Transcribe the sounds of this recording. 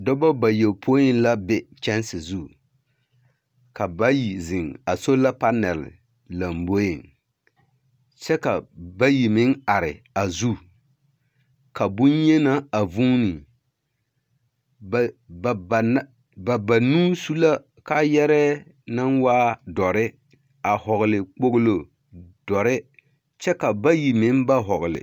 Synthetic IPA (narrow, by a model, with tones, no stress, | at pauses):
dɔ˦ba˦ba˨jɛ˨lpʰo˦ɪ˦n˦la˦bɛ˦t͡ʃɛ˦nsɪ˨zu˦ | ka˨ba˦ji˨zɪ˨ŋa˨so˦la˦pa˦nɛ˨lɪ̰˨ | la˨mbo˦ɪ˨ŋ | t͡ʃɛ˦ka˨ba˦ji˨mɪ˦ŋa˨ɾɪ̰˨ | a˨zu˦ | ka˨bʊ˦njɛ˦na˦a˨vu˦nɪ˨ | bn˦ | ba˨ba˨nuː˦su˦la˦ | ka˦jɛ˦ɾɛ˦ | na˦nwaː˦dɔ˨ɾɪ˦ | a˨hɔ˨ɣlɪ˨k͡po˦ɡlo˨ | d̥ɔ˨ɾɪ˦ | t͡ʃɛ˦ka˨ba˦ji˨mɪ˦nba˦ɦɔ˨ɡlɪ̰˨